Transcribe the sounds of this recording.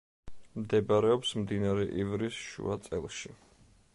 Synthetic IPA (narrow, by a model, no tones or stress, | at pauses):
md̪ɛbaɾɛɔpsmd̪inaɾɛʔivɾisʃṵat̪sʼɛlˠʃi